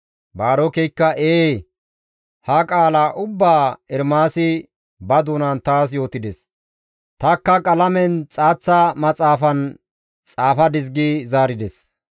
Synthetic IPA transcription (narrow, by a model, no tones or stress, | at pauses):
baːɾɔkɛjkːɐʔeː | hɐkʼaːlaːʔʊbːaːɛɾmaːsɪ | bɐd̪uːnɐnt̪aːsjo̞ːt̪ɪd̪ɛs | t̪ɐkːɐkʼɐlɐmɛnt͡sʼaːt͡sːɐmɐt͡sʼaːfɐn | t͡sʼaːfɐd̪ɪzɡizaːɾɪd̪ɛs